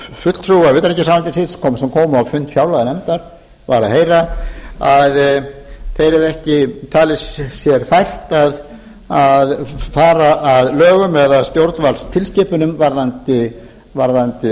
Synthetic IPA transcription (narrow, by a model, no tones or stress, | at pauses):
fʏt̪l̥t̪ʰɾuavɪt̪aɾɛcːɪsawlant̪ɪsɪðskʰɔːmsɛmkʰɔːwmʏawfʏnt̪fjaːwlaɣanɛmt̪aɾ̥ | vaːɾaheːjɾaað | θejɾɛɾɛhcɪt̪ʰaːlɪsːjɛɾ̥fajr̥t̪að | aðfaːɾaʔːðlœːɣʏmɛðast̪jowɾt̪nvalst̪ʰɪlscɪːpʏnʏmvaɾðant̪ɪ | vaɾðant̪ɪ